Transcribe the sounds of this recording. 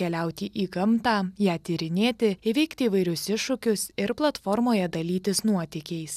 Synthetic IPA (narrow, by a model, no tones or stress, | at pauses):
kʲɛlʲɛˑʊt̪ʲiːʔiːɡɐmt̪ɑːjæːt̪ʲiːɾʲɪnʲeːt̪ʲɪɪʋʲɛɪkt̪ʲɪiːʋɐɪɾʲʊsɪʃːʊkʲʊsɪɾplˠɐt̪fɔɾmoːjɛd̪ɐlʲiːt̪ʲɪsnuɔt̪ʲɪkʲɛɪs